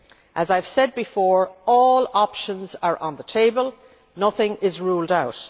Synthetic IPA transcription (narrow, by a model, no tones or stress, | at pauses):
ʔəzaɪv̥sɛd̚bɪfɔːɹɔːlɑpʃə̃nzə˞ʔə̃nðətʰeɪbəlˠ | nʌθɪ̃ŋɪzɹuːlˠdaʊt